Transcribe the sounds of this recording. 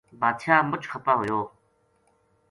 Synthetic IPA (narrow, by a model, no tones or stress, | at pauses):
baːt̪ʃʰjaːmʊt͡ʃxɐpaːɦojoː